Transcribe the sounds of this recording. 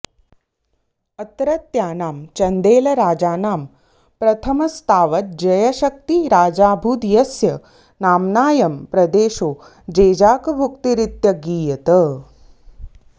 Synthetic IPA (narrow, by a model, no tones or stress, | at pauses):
ɐt̪ɾɐt̪jaːnaːmt͡ʃɐnd̪eːlɐɾaːd͡ʒaːnaːm | pɾɐt̪ʰɐmɐst̪ʰaːʋɐt̪̚d͡ʒɐjɐʃɐk̚t̪iɾaːd͡ʒaːbʱuːd̪jɐsjɐ | naːmnaːjɐmpɾɐd̪eːʃoː | d͡ʒeːd͡ʒaːkɐbʱukt̪iɾit̪jɐɡiːjɐt̪ɐ